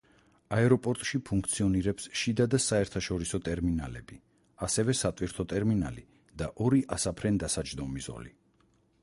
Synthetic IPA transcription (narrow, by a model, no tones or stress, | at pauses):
aɛɾɔpʼɔɾt̪ʼʃipʰuŋkʰt̪sʰiɔniɾɛpsʃid̪ad̪asaɛɾt̪ʰaʃɔɾisɔt̪ʼɛɾminalɛ̰bi | asɛvɛsat̪ʼwiɾt̪ʰɔt̪ʼɛɾmina̰li | d̪̥aʔɔɾiʔasapʰɾɛnd̪asad͡ʒd̪ɔmizɔ̰li